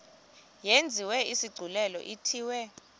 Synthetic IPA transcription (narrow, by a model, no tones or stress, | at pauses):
jend͡zʱiwɛisiɡ͡ǀʱulɛlɔ̰ʔitʰiːwɛ